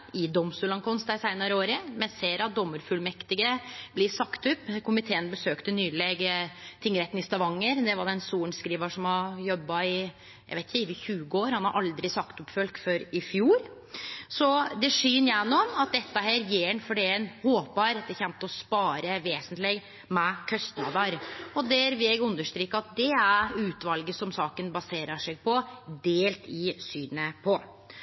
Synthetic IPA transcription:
ɪd̪ɔmst̪ʉːlɑnŋkʰɔnst̪æɾsæɪnɑɾəoːɾəmɛnseːɾɑt̪̚d̪ɔmːəɾfʉlmɛkt̪ɪɡəblɪsɑkt̪ʉpːkʰʊmɪt̪ʰeːənbəsøːkt̪ənyːleːɡt̪ʰɪŋːəɾɛt̪ːnɪst̪ɑʋɑŋːəɾd̪ɛʋɑɖɛɛnsuːɳskɾiːʋɑʂɔmhɑjɔbːɑɪ | jæ̰ʋeɪt̪çʋəçʉːɡəoːɾhɑnhɑɾʔɑld̪ɾɪsɑkt̪ʊpːfœlkføɾɪfjuːɾ | sɔd̪ɛʂyːnjɛnːɔmɑt̪̚d̪ɛt̪ːəhæːɾjeːɾnfɔɖɛɛnhoːpbɑɾɛt̪̚d̪ɛçɛnt̪ɔspɑːɾəʋeːsənt̪lɪɡ | mɛkʰœst̪nɑ̰ːd̪əɾɔd̪ɛɾʋɪlɛɡʉnd̪əʂt̪ɾiːkːəɑt̪̚d̪ɛæɾʉːt̪ʋɑlɡəsɔmsɑːkənbɑseːɾəʂɛɡ̚pʰɔd̪eːlt̪ʰɪsyːnəpʰɔ

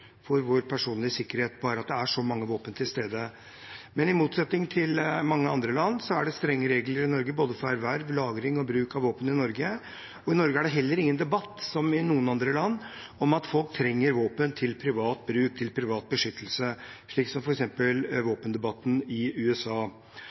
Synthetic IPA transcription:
fɔɾʋoːɾpʰæʂuːnlɪəsɪkːəɾheːt̪bɑːɾəɑt̪̚d̪ɛæʂɔmɑŋːəʋoːpənt̪ʰɪlst̪eːd̪ə | mɛnɪmuːt̪sɛt̪nɪŋt̪ʰɪlmɑŋːəɑnd̪ɾəlɑnːsɔæɖɛst̪ɾɛŋːəɾeːɡləɾɪnɔɾɡəboːd̪əfɔæɾʋæɾʋlɑːɡɾɪŋɔbɾʉːkɑʋoːpənɪnɔɾɡə | ɔɪnɔɾɡəæɖɛɦɛlːəɾɪŋːənd̪ɛbɑt̪ːsɔmɪnuːənɑnd̪ɾəlɑnːɔmɑt̪fɔlk̚t̪ʰɾɛŋːəɾʋoːpənt̪ʰɪlpʰɾɪʋɑːt̪̚bɾʉːk̚t̪ʰɪlpʰɾɪʋɑːt̪̚bəʂʏt̪ːəlsəʂɭiːksɔmfɔɾɛksɛmpəlʋoːpənd̪ɛbɑt̪ːn̩ɪʉːɛsɑː

